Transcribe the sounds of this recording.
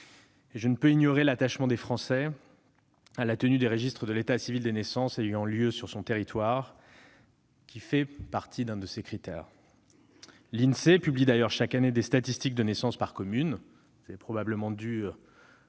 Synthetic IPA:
eʒənəpøinjɔʁelat̪aʃmɑ̃d̪efχɑ̃sɛ | alat̪ənyd̪eʁəʒist̪χəd̪əlet̪asivild̪enesɑ̃sejɑ̃ljøsyʁsɔ̃t̪eʁit̪waʁ | kʲifɛpaʁt̪ʰid̪ɛ̃d̪əsekχit̪ɛ̰ʁ | linsepyblid̪ajœʁʃakaned̪est̪at̪ist̪ik̚d̪ənɛsɑ̃spaʁkɔmyn | sɛpχɔbabləmɑ̃d̪y

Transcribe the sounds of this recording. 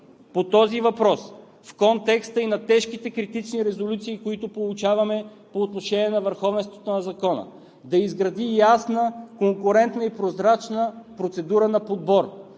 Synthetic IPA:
pot̪ɔzivɐpɾɔs | fkɔnt̪ɛkst̪əinɐt̪ɛʃkit̪ɛkɾit̪it͡ʃniɾɛzolʲut̪siːkoit̪ʊpolˠut͡ʃavɐmɛ | poːt̪noʃɛniɛnɐvəɾxɔvɛnst̪vot̪onɐzɐkɔnə̰ | d̪ɐizɡɾɐd̪ijasnəkoŋkʊɾɛnt̪nəipɾozɾat͡ʃnəpɾot̪sɛd̪uɾənɐpod̪̚bɔɾ

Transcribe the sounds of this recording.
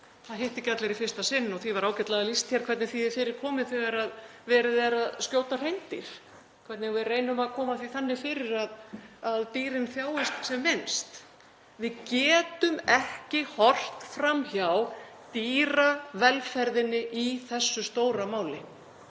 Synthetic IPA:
θaðɦeht̪ɪcat̪lɛɾifɪ̥st̪asɪnːɔɣθivaɾaːwcɛt̪laðalist̪jaɾ̥kʰvɛɾt̪nɪθiðɪfɪːɾɪɾ̥kʰɔːmɪðθɛɣaɾaðvɛːɾaðɛːɾaðscoːwt̪ar̥ejnt̪ɪɾ̥ | kʰvɛɾt̪nɪɣvɪreːjnʏmaðkʰɔːmaθiθanːɪfɪːɾɪɾaðaðt̪iːɾɪnθjaːwɪst̪sɛmːɪnst̪ | vɪðcɛːt̪ʏmɛhcɪhɔr̥t̪fɾamçjaw | t̪iːɾavɛlfɛɾðɪnːɪʔiθɛsːʏst̪oːwɾamaːwlɪ

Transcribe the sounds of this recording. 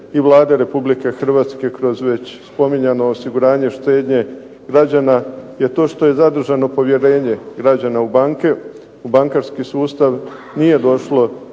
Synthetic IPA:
iʋlˠaːd̪aɾe̞publike̞xr̩ʋaːt̪ske̞kɾo̞zʋe̞t͡ɕspo̞miɲano̞ːsiɡuɾaːɲe̞ʃt̪e̞ːd̪ɲe̞ | ɡ̥ɾad͡ʑanaje̞t̪o̞ːʃt̪o̞je̞zad̪r̩ʒano̞po̞ʋje̞ɾe̞ːɲe̞ɡɾad͡ʑanaubaŋke | ubaŋkaɾskisuːst̪aʋ | nije̞d̪o̞ʃlo̞

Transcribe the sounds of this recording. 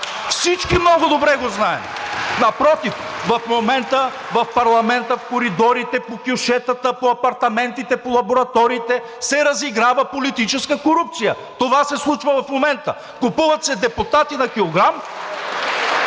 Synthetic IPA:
fsit͡ʃkimnɔɡʊd̪obɾɛɡoznaɛ̰mnɐpɾɔt̪ifvɐfmomɛnt̪əvɐfpɐɾlˠɐmɛnt̪əfkoɾid̪ɔɾit̪ɛpokʲʊʃɛt̪ət̪əpoɐpɐɾt̪ɐmɛnt̪it̪ɛpolˠɐboɾɐt̪ɔɾiːt̪ɛ | sɛɾɐziɡɾavəpolit̪it͡ʃɛskəkoɾup̚t̪sijə | t̪ovasɛslˠut͡ʃvɐvɐfmomɛnt̪ə | kʊpuvɐt̪sɛd̪ɛpʊt̪at̪inɐkʲilˠoɡɾam

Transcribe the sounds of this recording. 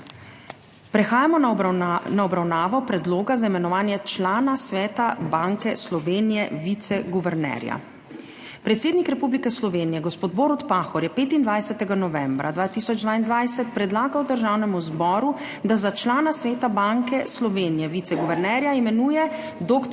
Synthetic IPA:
pɾɛxaːjamɔnnaɔbɾawnaːʋɔpɾɛd̪loːɡazaimɛnɔʋaːnjɛt͡ʃlaːnasʋɛːt̪abaŋkɛslɔʋeːnijɛʋit̪sɛɡuʋɛɾnɛ̰ɾja̰ | pɾɛt̪seːd̪nikɾɛpublikɛslɔʋeːnijɛɡɔspoːd̪̚boːɾut̪paːxɔɾjɛpeːt̪ind̪ʋajsɛt̪ɛɡanɔʋɛmbɾa̰d̪ʋaːt̪iːsɔd͡ʒd̪ʋaːind̪ʋajsɛt̪̚pɾɛd̪laːɡawd̪əɾʒaːwnɛmuzbɔːɾu | d̪azat͡ʃlaːnasʋɛːt̪abaŋkɛslɔʋeːnijɛʋit̪sɛɡuʋɛɾnɛɾjaimɛnuːjɛ | d̪oːk̪

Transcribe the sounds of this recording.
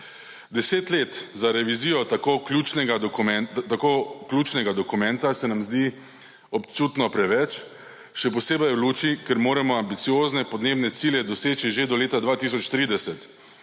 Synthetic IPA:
d̪ɛseːt̪leːt̪zaɾɛʋizijɔt̪akoklʲuːt͡ʃnɛɡaɛt̪akoklʲjuːt͡ʃnɛɡad̪ɔkumɛ̃nt̪asɛnamzd̪i | ɔpt͡ʃuːt̪nɔpɾɛʋɛt͡ʃ | ʃɛpɔseːbɛjwluːt͡ʃikɛɾmoːɾɛmɔambit̪sijoːznɛpɔd̪neːbnɛt̪siljɛd̪ɔseːt͡ʃiʒed̪ɔleːt̪ad̪ʋaːt̪is̬ɔt͡ʃt̪ɾiːd̪ɛsɛt̪

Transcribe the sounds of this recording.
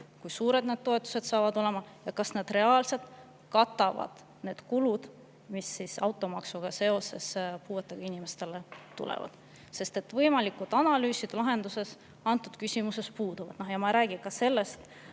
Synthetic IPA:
kujsuːɾe̞d̪̥̚neːd̪̚t̪o̞e̞t̪ːˑu̥se̞d̪̥sɑːvɑd̪o̞le̞mɑjɑkɑsned̪̥re̞ɑːlse̞lt̪ | kɑt̪ːˑɑvɑ̰d̪̥ | ne̞ːd̪̥kulud̪̥ | misːisɑ̰wt̪ːˑo̞mɑksuɡ̥ɑse̞o̞se̞spuːet̪ːˑeɡ̥ɑinimest̪e̞le̞t̪ṵlḛvɑ̰d̪̥ | se̞st̪e̞t̪ːvɤjmɑlikːud̪̥ɑnɑlyːsid̪̥elɑɦe̞nd̪̥use̞s | ɑnt̪ːˑud̪̥kysʲimuse̞spuːd̪uvɑ̰d̪̥nohjɑmɑɾæːɡ̥ikɑse̞lːe̞st̪

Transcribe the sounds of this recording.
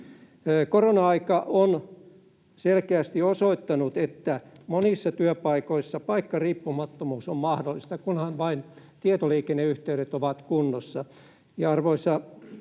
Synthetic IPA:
koronɑɑikɑʔon | selkeæst̪iosoit̪ːɑnut̪et̪ːæ | monisːɑt̪yøpɑikoisːɑpɑikːɑriːpːumɑt̪ːomuːsommɑhdolːˑist̪ɑkunhɑnʋɑin | t̪iet̪oliːkenːeyht̪eyɾet̪oʋɑt̪kunːosːɑ | jɑɑrʋoisːɑ

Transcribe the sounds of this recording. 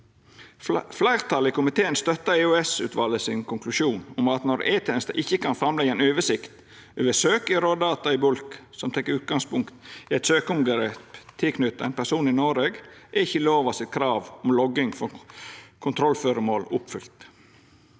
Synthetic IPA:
flæɪɾt̪ʰɑlɪkʊmɪt̪ʰeːənst̪œt̪ːəeʉɛsʉ̰ːt̪ʰʋɑlːəsɪnkʰʊŋklʉʃuːnɔmɑt̪nɔɾeːt̪ʰɛɛnst̪ɑ̰ʔɪçːəkɑnfɾɑmlɛɡəɛnøːʋəsɪkt̪ | øʋəsøːkɪɾoːd̪ɑːt̪ɑɪbʊlksɔmt̪ʰɛkːʉːt̪̚ɡɑŋspʊŋkt̪ɪɛt̪søːkɔmɡəɾeːpt̪ʰːɪlkʰnʏt̪ːəɛ̰npʰæsuːnɪnoːɾeːɡʔɛɪçːəloːʋɑsɪt̪̚kʰɾɑːʋɔmlɔɡɪŋfɔ | kʰʊnt̪ʰɾɔlːføːɾəmoːlʊpfʏlt̪

